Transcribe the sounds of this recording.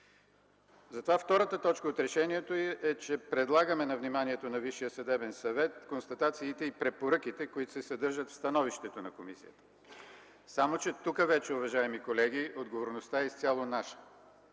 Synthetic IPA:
zɐt̪ovaft̪ɔɾət̪ət̪ɔt͡ʃkəot̪ɾɛʃɛniɛt̪oiʔɛt͡ʃɛpɾɛd̪lˠaɡəmɛnɐvnimaniɛt̪onɐviʃijəsɐd̪ɛbɛnsɐvɛt̪konst̪ɐt̪at̪siːt̪ɛipɾɛpoɾɤk̟it̪ɛkoit̪o̥sɛsɐd̪ɤɾʒət̪fst̪ɐnɔviʃt̪ɛt̪onɐkomisḭjət̪ə̥ | samot͡ʃɛt̪ukəvɛt͡ʃɛʊvɐʒaɛmikolɛɡ̟iod̪ɡovoɾnost̪aɛst̪sʲalˠonaʃə̥

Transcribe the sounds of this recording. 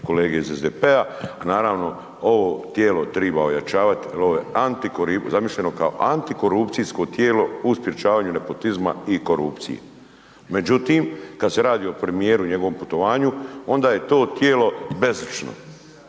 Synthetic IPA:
ko̞leːɡeizezd̪epeaanaːɾaːʋno̞ | o̞ʋoːt̪jeːlo̞t̪ɾibaoja̰t͡ʃaːʋat̪ijaloʋojeant̪ikoɾizamiʃʎeno̞kao̰ʔant̪iko̞ɾup̪sijsko̞t̪jeːlo̞uspjet͡ʃaːʋaːɲune̞po̞t̪izma̰iko̞ɾṵpt̪sḭjḛ | me̞d͡ʑut̪iːmkad̪se̞ɾaːd̪iːo̞pɾe̞mijeːɾuɲe̞ɡo̞ʋo̞mput̪o̞ʋaːɲuo̞nd̪aːje̞t̪o̞ːt̪jeːlo̞be̞zit͡ʃno̰

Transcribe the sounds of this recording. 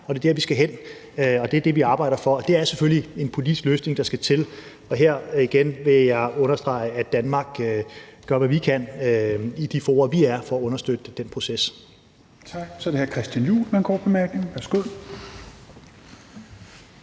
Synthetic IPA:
ɒd̥e̝d̥æɐ̰ʋisɡ̥æɦen̰ | ɒ̽d̥eæɐd̥e̝ʋiɑ̈ːb̥ɑ̈ɪɾɐfɒ̽ːd̥e̝æɐseføllie̝npʰo̝lid̥isɡ̥løːsne̝ŋd̥ɑ̈sɡ̥æt͡sʰe̝l | ɒ̽ɦeɐ̰iɡ̥enʋe̝jɑ̈ɪɔ̽nɐsd̥ʁɑ̈ɪæd̥ænmɑ̈ːɡ̥ɡ̥ɶɐʋæʋikʰæn̰ | id̥ifɔːɐʋiæɐfɒ̽æɔ̽nɐsd̥ød̥əd̥en̰pʰʁo̝ses | t͡sʰɑɡ̥sɒɾeheɐkʰʁɛsd̥jænjṵːlmænɡ̥ʰɔ̰ːb̥emæɐɡ̥ne̝ŋ̩ʋæɐsɡ̥uð̰ˠ

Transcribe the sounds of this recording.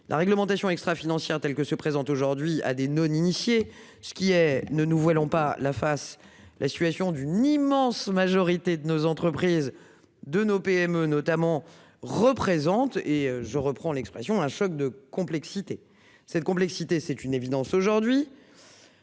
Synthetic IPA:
lʔa̰ʁɛɡləmɑ̃t̪asjɔ̃ɛkst̪χafinɑ̃sjɛʁt̪ɛlkəsəpχezɑ̃t̪oʒuʁd̪ɥia̰d̪enɔninisje | sə̥kʲiɛnənuvwalɔ̃palafas | lʔasi̥t̪ɥasjɔ̃d̪ynimɑ̃smaʒɔʁit̪ed̪ənozɑ̃t̪χəpχiz | d̪ənopeɛmønɔt̪amɑ̃ | ʁəpχezɑ̃t̪eøʒəʁəpχɑ̃lɛkspχɛsjɔ̃ɛ̃ʃɔk̚d̪əkɔ̃plɛksit̪e | sɛt̪̚kɔ̃p̬lɛksit̪esɛt̪ynevid̪ɑ̃soʒuʁd̪ɥi

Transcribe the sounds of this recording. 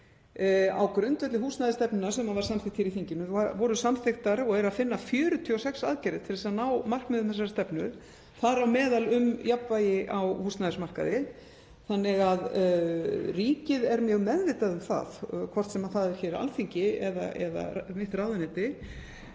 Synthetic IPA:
a̰wkɾʏnt̪vœt̪lɪɦuːst̪najðɪst̪ɛpnʏnasɛmaðvaɾ̥samθɪxt̪ʰçjɛɾiθiɲcɪnʏavɔɾʏsamθɪxt̪aɾɔɣɛɾaðfɪnːafjœːɾʏt̪ʰiɔsɛksa̰ðcɛɾɪθt̪ʰɪɾðɪsaðnawmar̥kmɪðʏmθɛs̬ːaɾst̪ɛpnʏɾ | θaɾawmɛːðalʏmjapvaːjɪʔawhuːst̪naðɪsmar̥ka̰ðɪ | θanːɪɣað | riːcɪðɛɾmjœːɣmɛðvɪːt̪aðʏmθa̰ðkʰvɔr̥t̪sɛmaðθaðɛɾ̥çɛːɾa̰lθiɲcɪɛða̰ʔɛ̰ða̰mɪht̪raːwðɪnɪt̪ɪ

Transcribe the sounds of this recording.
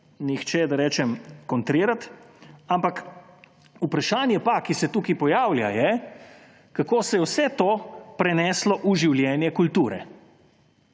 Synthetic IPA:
nixt͡ʃɛd̪aɾɛːt͡ʃɛmkɔnt̪ɾiːɾat̪ampak | upɾaʃaːnjɛpakisɛt̪uːkipɔjaːwlja̰jɛ | kakoːsɛjɛwsɛt̪oːpɾɛnɛːslɔʔuʒiwljɛːnjɛkult̪uːɾɛ̰

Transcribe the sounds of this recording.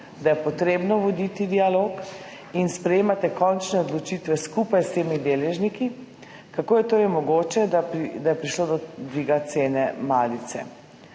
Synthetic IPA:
d̪ajɛpɔt̪ɾeːbnɔʋɔd̪it̪id̪ialoːk | inspɾɛjeːmat̪ɛkɔnt͡ʃnɛɔd̪lɔt͡ʃit̪ʋɛskupajst̪eːmid̪eːlɛʒniki | kakoːjɛt̪oːɾɛjmɔɡoːt͡ʃɛd̪ajɛpɾiʃloːd̪ɔd̪ʋiːɡat̪seːnɛmaːlit̪sɛ̰

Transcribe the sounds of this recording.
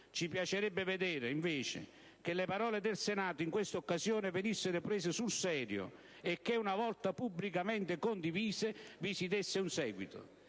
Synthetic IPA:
t͡ʃipjat͡ʃeɾɛbːɪved̪eːɾɪiɱveːt͡ʃɪ̰ | k̟elːepaɾɔːled̪elsenaːt̪ʊiŋkwest̪okːazjoːnɪvenisːɪɾʊpɾeːs̬ɪsulsɛːɾjʊ̰ | ekːeunavɔlt̪apubːlikament̪ɪkond̪iviːzɪvisit̪esːɪunsɛːɡwit̪ʊ̰

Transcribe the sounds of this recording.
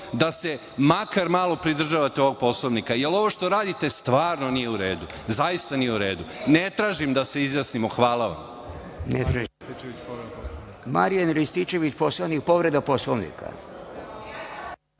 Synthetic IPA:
d̪ase̞ | makaɾmaːlˠo̞pɾid̪r̩ʒaʋat̪eo̞ʋoɡ̚po̞slˠoʋnikajelo̞ʋo̞ʃt̪o̞ɾaːd̪it̪e̞st̪ʋaːɾno̞nijeuɾeːd̪u | zajist̪anijeuɾe̞ːd̪unet̪ɾaːʒimd̪ase̞izjasnimoxʋaːlˠaʋa̰m | net̪ɾaʒist̪it͡ʃeʋit͡ʃpoɾed̪aposloima̰ɾijanɾist̪it͡ʃe̞ʋit͡ɕpo̞sloʋnik̚po̞ʋɾe̞d̪apo̞slˠoʋnḭka̰

